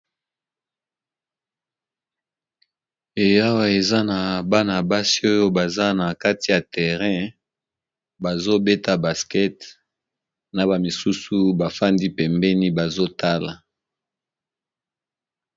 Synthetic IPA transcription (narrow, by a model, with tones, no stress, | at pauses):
e˨ja˦wa˦e˨za˦na˨ba˦na˨ba˦si˦o˦jo˦ba˨za˦na˨ka˦ti˨ja˨tɛ˨ʁɛ̃˦ | ba˨zo˦bɛ˦ta˨ba˨skɛ˦t | na˨ba˨mi˨su˦su˦ba˨fa˦ndi˦pɛ˨mbɛ˦ni˦ba˨zo˦ta˦la˨